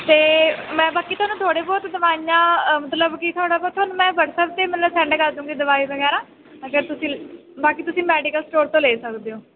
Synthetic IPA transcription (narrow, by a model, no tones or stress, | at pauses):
t̪eːmɛ̃ːbaːkiːt̪ʰʊaːnũːt̪ʰoːɽeːbɔːt̪d̪əʋaːijãːmət̪ləbkit̪ʰʊaːɽaːbɔːɾt̪ʰoaːnũːmɛ̃ːʋəʈsɛːp̚t̪eːmət̪ləbsɛ̃ːɳɖkəɾd̪ũːɡiːd̪əʋaːiːʋəɡɛːɾãː | əɡəɾt̪ʊsĩː | baːkiːt̪ʊsĩːmɛːɖikəlsʈoːɾt̪õːleːsəkd̪eːõː